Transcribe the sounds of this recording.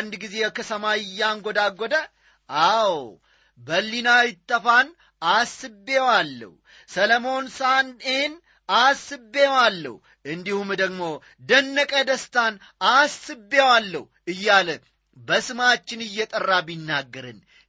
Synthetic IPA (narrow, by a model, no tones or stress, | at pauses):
nd̪ɡize̞kʰəsʰəmaɪjːaŋɡod̪aɡod̪ə | ʔaw | bəlːinajɪt̪ːəfan | asɨbːewalːə̰hu | sələmo̞nsanen | asɨbːewalːə̰hu | ʔɨnd̪ihumd̪əɡmo̞ | d̪ənːəkʼəd̪əst̪ʰan | asːɨbːewalːə̰hu | ɨjːalə | bəsɨmat͡ʃːɪnɨjːɛt̪ʼərːabinːaɡːəɾɨn